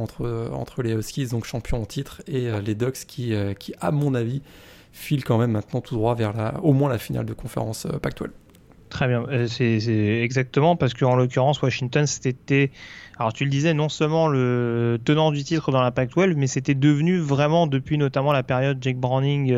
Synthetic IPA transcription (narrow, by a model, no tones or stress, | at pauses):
ɑ̃t̪χəɑ̰̃t̪χəleɔskʲid̪ɔ̃kʃɑ̃pjɔ̃t̪it̪χeøled̪ɔkskʲʰiøkʲʰiʔamɔ̃navi | filkɑ̃mɛmːɛ̃t̪nɑ̃t̪ʰud̪ʁwavɛʁla̰omwɛ̃lafina̰ld̪əkɔ̃fḛʁɑ̰̃sø̰pak̚t̪wɛ̰lv | t̪χɛbjɛ̃sɛsɛɛɡzak̚t̪əmɑ̃paʁsə̥kəɑ̃lɔk̬ʲyʁɑ̃swaʃiŋt̪ɔnset̪ɛalɔʁt̪yləd̪izɛnɔ̃sœlmɑ̃lət̪ənɑ̃d̪yt̪it̪χəd̪ɑ̃lapak̚t̪wɛlvmɛset̪ɛd̪əvnyvʁɛmɑ̃d̪əpɥinɔt̪amɑ̃lapeʁjɔd̪d͡ʒɛk̚bʁɔ̃niŋɡ